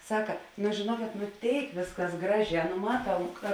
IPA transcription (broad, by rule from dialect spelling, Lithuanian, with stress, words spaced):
ˈsɑːkɐ nʊ ʒʲeːˈnuɔkʲeːt nʊ ˈtʲeːɪk ˈʋʲeːsˌkɐs ˈɡrɑːˌʒʲɛː nʊ ˈmɑːˌtɐʊ kɐ